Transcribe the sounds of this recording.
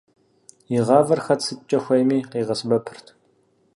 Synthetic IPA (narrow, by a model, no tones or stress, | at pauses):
jɪʁɑːvɐrxɐt͡sʰɨt͡ʃʼɐxʷɐjmiːqeːʁɐsbɐpʰɨ̥rtʰ